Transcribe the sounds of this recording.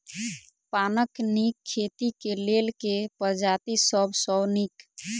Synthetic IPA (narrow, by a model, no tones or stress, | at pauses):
panəknikʰːet̪ikelelkepəɾd͡ʒat̪isəbʱsɔnik